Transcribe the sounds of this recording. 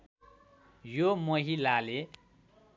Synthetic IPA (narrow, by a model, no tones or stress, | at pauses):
jomʌɦilale